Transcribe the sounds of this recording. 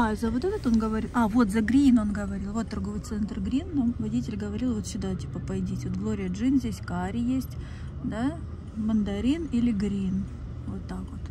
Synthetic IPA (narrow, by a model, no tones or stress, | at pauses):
azəvot̪ɛt̪ət̪onɡəvɐɾʲilˠavo̞t̪zɐɡɾʲino̞nɡəvɐɾʲilˠvo̞t̪ːɐrɡovət̪sɛnt̪rɡɾʲinːomvɐdʲitʲɪlʲɡəvɐɾʲilˠvo̞t̪ɕʲʊd̪atʲi̥pəpɐjdʲitʲvot̪ɡlˠoɾʲɪjəʐɨnzʲdʲesʲkaɾʲɪjesʲtʲ | d̪a | mənd̪ɐɾʲinilʲɪɡɾʲin | vot̪ːakvot̪